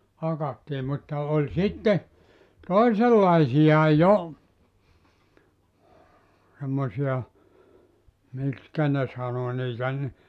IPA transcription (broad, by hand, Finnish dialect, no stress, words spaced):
hɑkɑtːiː mutːɑ olʲ sitːe toiselːɑisijɑ jo semːosiɑ mikskæ ne sɑno niːtæ ni